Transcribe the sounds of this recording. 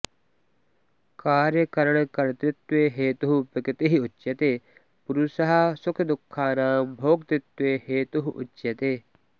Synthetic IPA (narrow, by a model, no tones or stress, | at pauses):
kaːɾjɐkɐɾɐɳkɐɾt̪ɪt̪ʋeɦeːt̪uɦupɪkɪt̪eɦiʊt͡ʃːʃjɐt̪e | puɾusɐɦɐsʊkʰɐd̪ʊkʰːaːnaːmbʱoːɡ̚t̪ɪt̪ːʋeːheːt̪uɦuʔʊ̰t͡ʃːʃjɐt̪eː